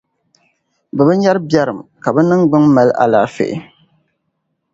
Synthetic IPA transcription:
bɛ˨bɨ˦ɲa˦ɾɨ˦ba˦ɾɨ˨mka˨bɛ˦nɨ˦ŋɡ͡bɨ˦ŋma˨lʔa̰˨laː˨˦fḛ˨ʔɪ̰˦

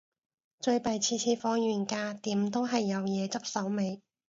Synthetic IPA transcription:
t͡ʃɵ˧ɥpɐ˨jt͡sʰiː˧t͡sʰiː˧fɔː˧ŋjyː˨˩nkaː˧t̪iː˨˥mt̪o˥wɦɐ˨jːɐ˨˧wjɛː˨˧t͡sɐ˥p̚sɐ˨˥wme˨˧j

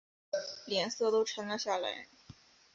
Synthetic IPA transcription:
ljɛ˧˥nsɤ˥˧t̪o˥ʊʈ͡ʂʰɤ˧˥ŋlə˧ɕja˥˩la̰˧˥ɪ

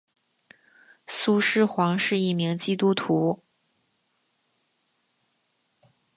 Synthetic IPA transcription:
su˥˧ʂɻ̩˥xwɑ˧˥ŋʂɻ̩˥˧i˥˩mi˧˥ŋt͡ɕi˥t̪u˥t̪ʰu˧˥

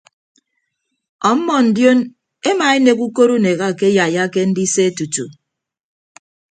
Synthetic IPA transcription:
ɔ˨m̩˦mɔ˦˨n̩˨djo˦n | e˦ma˨e˦ne˨ku˦ko˦ɾu˦ne˨ɣa˦˨ke˦ja˨ja˦ke˦n̩˦di˦se˦e˦tu˨tṵ˨

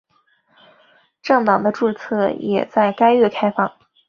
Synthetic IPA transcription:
ʈ͡ʂɤ˥˩ŋt̪ɑ˨˩ŋd̪ə˦ʈ͡ʂu˥˧t͡sʰɤ˥˩jɛ̰˨˩t͡sa˥˩ɪka˥ɪɛ˥˩kʰa˥ɪfɑ˥˩ŋ

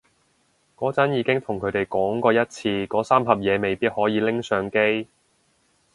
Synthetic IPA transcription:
kɔː˨˥t͡sɐ˨˥njiː˨˧kɪ˥ŋt̪ʰʊ˨˩ŋkʰɵ˨˧ɥt̪e˨jkɔː˨˥ŋkɔː˧jɐ˥t̚t͡sʰiː˧kɔː˨˥saː˥mɦɐ˨p̚jɛː˨˧me˨jpiː˥t̚hɔː˨˥jiː˨˧lɪ˥ŋsœː˨˧ŋke˥j

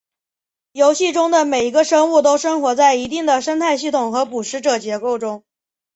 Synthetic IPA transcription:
jo˧˥ʊɕi˥˩ʈ͡ʂʊ˥ŋd̪ə˨me˨˩ɪi˧˥ɡə˧ʂɤ˥ŋu˥˩t̪o˥ʊʂɤ˥ŋxwɔ˧˥t͡sa˥˩ɪi˧˥t̪i˥˩ŋd̪ə˩ʂə˥nt̪ʰa˥˧ɪɕ̬i˥˩t̪ʰʊ˨˩ŋxɤ˧˥pu˨˩ʂɻ̩˧˥ʈ͡ʂɤ˨˩t͡ɕjɛ˧˥ko˥˩ʊʈ͡ʂʊ˥ŋ

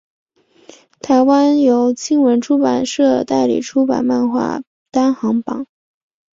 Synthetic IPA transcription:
t̪ʰa˧˥ɪwa˥njo˧˥ʊt͡ɕi˥nwə˧˥nʈ͡ʂʰu˥pa˨˩nʂɤ˥˩t̪a˥˩ɪlḭ˨˩ʈ͡ʂʰu˥pa̰˨˩nma˥˧nxwa̰˥˩ | t̪a˥nxɑ˧˥ŋpɑ̰˨˩˦ŋ

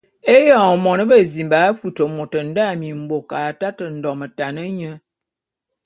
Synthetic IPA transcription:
e˦jɔ˨mɔ˨nə˦bə˦zi˨mba˨˦fu˨tə˨mo˨tə˨n̩˦da˦˨mi˨m̩˨bo˨ka˨ta˦tə˨n̩˨dɔ˨mə˨ta˨nə˦ɲə˦

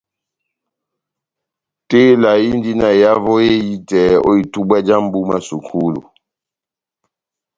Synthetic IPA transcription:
te˦la˨ji˦n˦di˦na˨ja˦vɔ˦je˦ji˦tɛ˨˦ɔ̰˦i˨tu˦bwa˦d͡ʒa˦m˦bu˦ma˦su˨kʰu˦lṵ˨

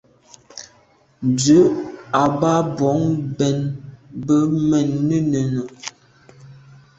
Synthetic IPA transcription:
d͡zʉ˨˦a˨ba˦bɔ˨˦ŋbɛ˨nbə˦mɛ˨nːə˦nə˨no˨

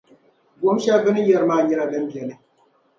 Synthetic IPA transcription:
ɡo˦m˦ʃa˦bɨ˦nɨ˦jɛ˦ɾɨ˦maː˦˨ɲɛ˦ɾa˦bɨ˦n˦dɛ˨nɨ˦

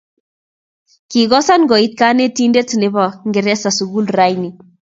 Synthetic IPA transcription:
ki˨ɡɔ˦sa˦nɡɔ˨i˦t̚ka˦ne˦ti˦nde˦ti˨ne˦ba˨ŋɡɪ˨ɾɛ˦sa˨su˨ɡu˦lra˦jni˨

